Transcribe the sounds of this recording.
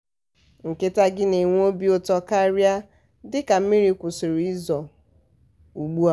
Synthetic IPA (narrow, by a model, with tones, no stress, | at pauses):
ŋ̩˨ke˦ta˦ɡɪ˦ne˨ŋʷ˦o˦bi˦o˦tɔ˦ka˦ɾja˦ | dɪ˦ka˨m̩˦i˦ɾi˨kʷʊ˨sʊ˨ɾi˦zɔ˨ | u˨ɡ͡bu˦a˦